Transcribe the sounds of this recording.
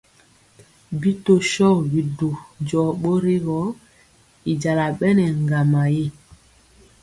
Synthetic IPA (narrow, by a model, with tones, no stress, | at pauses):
bi˦to˨ʃɔ˦˨bi˨do˨d͡ʒɔ˨ɓo˦ɾi˦ɣɔ˨˦ | i˨d͡ʒa˨la˨ɓɛ˦nɛ˨ŋɡa˨ma˨je˦˨